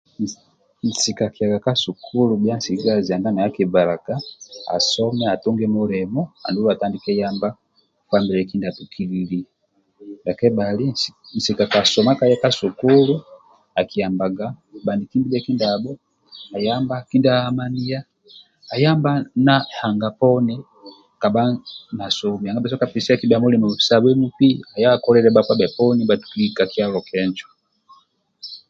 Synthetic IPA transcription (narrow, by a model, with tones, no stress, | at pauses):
n̩˨si˨ka˨ka˨ɡa˨ka˦su˨kʰu˦lu˨bja˦n̩˦si˨ɡa˦zi˨a˨nda˦na˨a˦ki˨va˨la˨ɡa˦a̰˨sɔ˦mɛ˦a˨tu˦ŋɡɛ˦mu˦ɾɛmɔ˦a̰˨ndu˦la˨ta˦ndi˨kɛ˦ja˦mba˦ | kwa˦mbi˨lɛ˨ki˦nda˨tu˨kʰi˦lili˦ | la˨kɛ˦bali˦n̩˨si˨ka˨ka˨sɔma˦ka˦jɛ˦ka˦su˨ku˦lu˦ | a˨ki˨a˨mba˨ɡa˦ba˨ndi˨ki˦mbi˦lɛ˦ki˦ndabɔ˦ | a˨jamba˦ki˦ndahama˦ni˦ja˦ | a˨jambana˦ha˨ŋɡa˨pɔ˦ni | ka˨ba˦na˨sɔmi˨a˨ŋɡa˦bɛs̬ɔ˦ka˨pisi˦a˦ki˦bamu˦li˨mɔ˨i̥sa˨bɛ˦mu˦pi˦a˨ja˦kɔ˦lɛɾɛbakwa˦bɛ˨pɔ˦niba˨tu̥ki˦lika˨kia˦lɔkʰɛnd͡ʒɔ